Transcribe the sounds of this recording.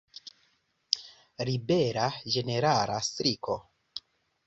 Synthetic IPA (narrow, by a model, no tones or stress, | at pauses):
ɾibe̞ɾad͡ʒe̞ne̞ɾala̰stɾiko̞